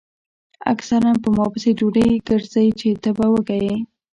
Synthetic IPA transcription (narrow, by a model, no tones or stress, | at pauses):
a̰ksaɾanpəmɑpəsed͡ʒoɽajɡəɾzajt͡ʃet̪əbawəɡaje